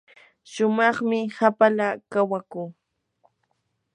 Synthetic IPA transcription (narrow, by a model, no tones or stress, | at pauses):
ʃʊmɑχmɪhapalakawakuː